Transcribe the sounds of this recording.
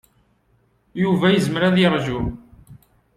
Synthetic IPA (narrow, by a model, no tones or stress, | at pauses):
juvæjəzməɾæðiɾˤʒul